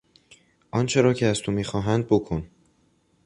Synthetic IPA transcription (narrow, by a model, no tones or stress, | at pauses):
ʔɒnt͡ʃʰe̞ɾɒːcʰeæz̥t̪ʰomiːxɒːɦænd̪̚bokʰon